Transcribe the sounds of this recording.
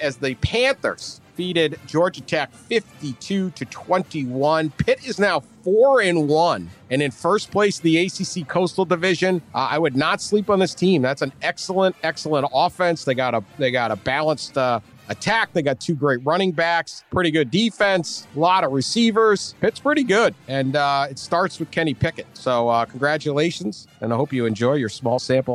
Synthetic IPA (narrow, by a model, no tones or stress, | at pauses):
ɨzðɨpʰæ̃nθə̰˞sfiɾɪd̚d͡ʒɔɹd͡ʒɨtʰækfɪftitʰʉɾɨtʰw̥ɛ̃ntiwʌ̃npʰɪɾɪznaʊfɔɹɨ̃nwʌ̃nɨ̃nɨ̃nfɜ˞spʰl̥eɪsðieɪsisikʰoʊstl̩ˠdɨvɪʒɨ̃na̰ɪwɨdⁿnətslipn̩ðɪstʰĩmðætsnɛksl̩ˠə̃ntɛksl̩ˠə̃ntɔfɛ̃nsðeɪɡɑɾəðeɪɡɑɾəbælˠə̃nstʌ | ɨtʰæk̚ðeɪɡɑtʰʉɡɹeɪt̚ɹʌɾ̃ɪ̃ŋbækspʰɹ̥ɪɾiɡʊdifɛ̃nslɑɾʌvɹɨsivə˞z̥ɨtspʰɹ̥ɪɾiɡʊdɨ̃nʌɪtstɑɹtswɨð̥kʰɛɾ̃ipʰɪkɨt̚soʊʌkʰn̩ɡɹæt͡ʃəleɪʃɨ̃n̩z̥ | ɨ̃naɪhoʊpjɨɨ̃nd͡ʒɔɪjə˞smɔlˠsæ̃mpl̩ˠ